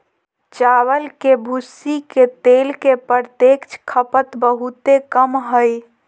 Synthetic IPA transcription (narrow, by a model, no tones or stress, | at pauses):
t͡ʃawəlkebʱusiket̪elkepəɾt̪ekt͡ʃkʰəpət̪bəɦut̪ekəmɦəj